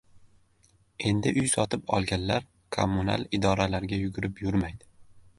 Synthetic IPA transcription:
e̞nd̪ɪʔʊjsɒt̪ʰɪpɒ̰lˠɡʲanlaɾ | kʰo̰mʊna̰lˠɪd̪ɒɾalaɾɡʲajʊɡʲʊɾɪpʰjʊɾmajd̪ɪ

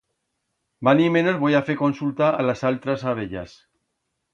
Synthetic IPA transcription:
banime̞no̞zβo̞jafeɾko̞nsult̪aalasalt̪ɾasaβ̞eʎa̰s

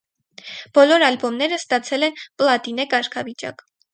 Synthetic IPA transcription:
b̥ɔlɔɾɑlbɔmnɛɾəst̪ɑt͡sʰɛlɛnplɑt̪inɛkɑɾkʰɑvit͡ʃɑ̰k

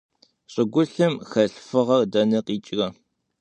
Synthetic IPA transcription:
ɕʼɪɡʷʊɬɨmxɐɬfɨʁɐrdɐnɨqiːt͡ʃʼɪrɐ

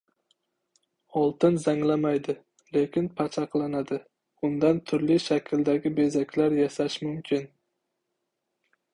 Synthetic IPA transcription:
ɒlˠt̪ɪnzaŋlamajd̪ɪ | le̞kʲɪnpʰat͡ʃʰaqlˠanad̪ɪ | ʊnd̪ant̪ʰʊɾlɪʃakʲʰld̪aɡʲɪbe̞zakʲlaɾjasaʃmʊmkʲʰɪn

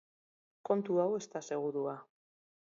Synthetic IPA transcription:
ko̞nt̪uawe̞st̪ase̞ɣ̞uɾua

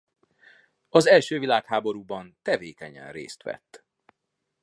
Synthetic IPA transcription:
ɒzɛlʃøːvilaːkhaːbo̞ɾuːbɒnt̪ɛveːkɛɲɛ̰nrḛːst̪ʋɛ̰t̪ː

